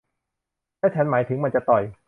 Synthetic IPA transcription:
lɛː˦˥t͡ɕʰa˦˥nmaː˩˦jt̪ʰɯ˩˦ŋma˧nt͡ɕa˨˩t̪ɔ˨˩j

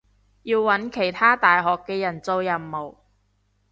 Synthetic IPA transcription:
jiː˧wwɐ˨˥nkʰe˨˩jt̪ʰaː˥t̪aː˨jɦɔː˨kːɛː˧jɐ˨˩nt͡so˧wjɐ˨˩mːo˨˩w

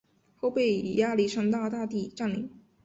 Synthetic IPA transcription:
xo˥˧ʊpe˥˩ɪ˨˩ja˥li˥˩ʂɑ˥ŋt̪aɑ˥˧˩t̪a˥˧t̪i˥˧ʈ͡ʂa˥˩nlḭ˧˩˦ŋ

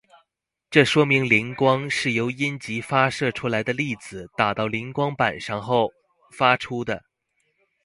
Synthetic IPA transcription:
ʈ͡ʂɤ˥˩ʂwɔ˥mi˧˥ŋli˧˥ŋkwɑ˥ŋʂɻ̩˥˩jo˧˥ʊi˥nt͡ɕi˧˥fa˥ʂɤ˥˩ʈ͡ʂʰu˥la˧˥ɪd̪ə˧li˥˩d͡zɹ̩˨˩t̪a˨˩t̪ɑ˥˩ʊli˧˥ŋkwɑ˥ŋpa˨˩nʂɑ˥˧ŋxo˥˩ʊ | fa˥ʈ͡ʂʰu˥d̪ə˨˩

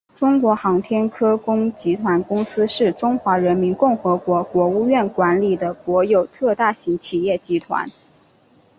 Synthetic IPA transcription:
ʈ͡ʂʊ˥ŋkwɔ˧˥xɑ˧˥ŋt̪ʰjɛ˥nkʰɤ˥kʊ˥ŋt͡ɕi˧˥t̪ʰwa˧˥nkʊ˥ŋsɹ̩˥ʂɻ̩˥˩ʈ͡ʂʊ˥ŋxwa˧˥ɻə˧˥nmi˧˥nkʊ˥˩ŋxɤ˧˥kwɔ˧˥kwɔ˧˥u˥˧ɥɛ˥˩nkwa˧˥nli˨˩d̪ə˦kwɔ˧˥jo˨˩ʊt̪ʰɤ˥˧t̪a˥˩ɕi˧˥ŋt͡ɕʰi˨˩jɛ˥˩t͡ɕi˧˥t̪ʰwa̰˧˥n

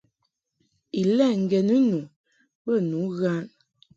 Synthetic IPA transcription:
i˨lɛ˦˨ŋ̩˨ɡɛ˨nə˦nu˨ | bə˦˨nu˨˦ɣa˦n

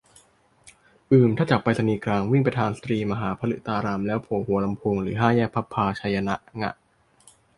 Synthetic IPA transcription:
ʔɯː˨˩mt̪ʰaː˥˩t͡ɕa˨˩k̚pːa˧jt̪ʰa˧niː˧kɾaː˧ŋwi˥˩ŋp̬ɾa˧t̪ʰaː˧nsḁ˧t̪ɾiː˧ma˧ɦaː˩˦pʰa˧lɯ̰˨˩ʔt̪aː˧ɾaː˧mlɛː˦˥wpʰoː˨˩˦huː˨˩˦ɐla˧mpʰoː˧ŋɾɯː˩˦ɦaː˥˩jɛː˥˩k̚pʰa˦˥pʰːaː˧t͡ɕʰa˧ja˧na˦˥ʔŋa̰˧˩ʔ

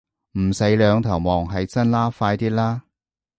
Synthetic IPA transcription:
m̩˨˩se˨˧˥jlœː˨˧ŋt̪ʰɐ˨˩wmɔː˨˩ŋɦɐ˨jt͡sɐ˥nlaː˥faː˧jt̪iː˥laː˥

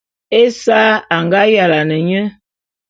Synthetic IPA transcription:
e˦saː˦a˨ŋɡa˦ja˨la˨nə˨ɲə˦

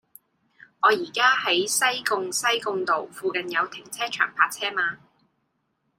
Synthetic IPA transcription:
ŋɔː˨˧jiː˨˩kaː˥hɐ˨˥jsɐ˥jkʊ˧ŋsɐ˥jkʊ˧ŋt̪o˨wfuː˧kɐ˨njɐ˨˧wt̪ʰɪ˨˩ŋt͡sʰɛː˥t͡ʃʰœ̰ː˨˩ŋpʰaː˧k̚t͡sʰɛː˥maː˧

